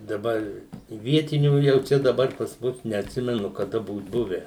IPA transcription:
dɐˈbɐr ɪ ˈʋʲiɛtʲɪnʲuː ˈjɛʊ ˈt͡ʃʲɛ dɐˈbɐr pɐs ˈmʊs nʲɛɐtʲˈsʲɪmʲɛnʊ kɐˈdɐ ˈbuːt ˈbʊʋʲæː

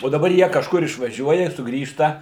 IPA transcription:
oː dɐˈbɐr ˈjiɛ kɐʃˈkʊr ɪʃʋɐˈʒʲuɔjɛ sʊˈɡrʲiːʃtɐ

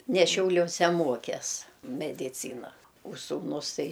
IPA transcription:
nʲɛ ʃʲɛʊlʲoːˈsʲɛ ˈmoːkʲɛs mʲɛdʲɪˈt͡sʲiːnɐ oː suːˈnʊs ˈtɐɪ

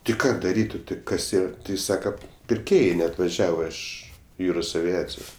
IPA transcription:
tʲɪ ˈkɑː dɐˈrʲiːtʲ oː tʲɪ ˈkɐs ˈiːrɐ tʲɪ ˈjɪs ˈsɑːkɐ pʲɪrʲˈkʲeːjɛɪ nʲɛɐtʋɐˈʒʲæːʋɐ ˈɪʃ ˈjuːroːs ɐʋʲɪˈɑːt͡sʲɪjʊ

